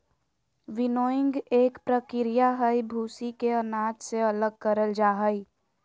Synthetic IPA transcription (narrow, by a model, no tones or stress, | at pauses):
ʋɪnoːɪ̃ŋɡeːkpɾəkɪɾijaɦəjbʱuːsikeənaːd͡ʒseələɡ̚kəɾəld͡ʒaːɦəi